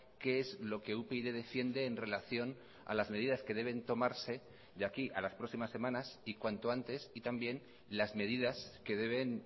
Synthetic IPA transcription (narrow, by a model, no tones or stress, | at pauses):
ke̞ezlo̞ke̞upeiðe̞ðe̞fje̞nd̪e̞ːnre̞laθjo̞n | a̰lazme̞ð̞iðaskeðe̞β̞e̞nt̪o̞maɾse̞ | ʝakiʔalaspɾo̞simasːe̞mãnasikwant̪oant̪e̞sit̪ambje̞n | lazme̞ð̞iðaske̞ðe̞βe̞n